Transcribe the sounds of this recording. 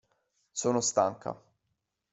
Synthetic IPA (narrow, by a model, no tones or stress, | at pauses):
soːnost̪aŋkʰa̰